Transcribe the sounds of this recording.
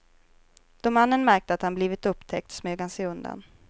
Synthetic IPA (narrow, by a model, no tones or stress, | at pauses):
d̪̥ɔmanːənmæɾk̚t̪əat̪hanbliːvɪt̪ɵpːt̪ʰɛk̚t̪smøːɡhansɛɵnd̪a̰n